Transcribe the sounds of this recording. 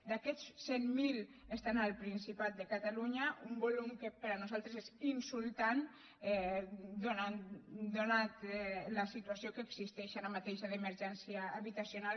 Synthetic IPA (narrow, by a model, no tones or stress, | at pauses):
d̪akɛssemmilest̪analˠpɾinsipat̪̚d̪əkat̪aluɲaumbolumkəpəɾanuzalˠt̪ɾezezinsulˠt̪an | ɛd̪onad̪onat̪lasit̪uasjokəeːɡzist̪ɛʃanamat̪eʃaðeməɾʒɛnsiaːβit̪asjonal